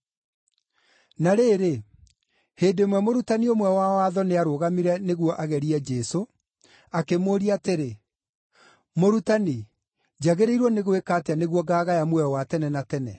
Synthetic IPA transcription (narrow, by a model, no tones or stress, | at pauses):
naɾeːɾe | heːndemwɛmoɾutaniomwɛwawaðɔneaɾoɣamiɾɛneɣwɔʔaɣɛɾiɛd͡ʒɛso | akemoːɾiateɾe | moɾutani | d͡ʑaɣeɾeiɾwɔneɣoekaːteaneɣwɔɡaːɣajamwɛɔwatɛnɛnatɛnɛ̰